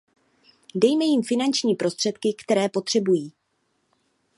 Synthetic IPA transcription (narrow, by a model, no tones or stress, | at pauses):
dɛjmɛjɪmfɪnant͡ʃɲiːpɾo̞st̪r̝̥ɛt̪kɪkt̪ɛɾɛːpo̞t̪r̝̥ɛbujiː